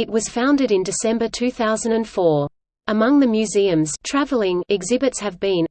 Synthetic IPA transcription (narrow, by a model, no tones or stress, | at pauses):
ɨt̚wʌz̥fãʊ̃ndɨɾɨ̃ndɨsɛ̃mbə˞tʰʉθaʊzɨ̃n̩dɨ̃nfɔɹ | ʔəmʌ̃ŋðɨmjʉziɨ̃mz̥tʰɹ̥ævl̩ˠɪ̃ŋɪɡzɪbɨtshɨvbĩn